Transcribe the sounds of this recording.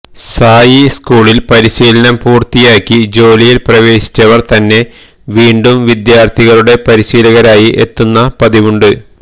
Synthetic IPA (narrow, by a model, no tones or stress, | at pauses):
saːjiskuːɭilpɐɾiɕiːlɐnɐmpuːrt̪ijaːkʲːid͡ʑo̞ːlijilprɐʋe̞ːɕi̥t͡ɕːɐʋɐrt̪ɐnːe̞ | ʋiːɳɖumʋid̪jaːrt̪ʰiɣɐɭuɽe̞pɐɾiɕiːlɐɣɐɾaːjiʔe̞t̪ːunːɐpɐðiʋuɳɖɨ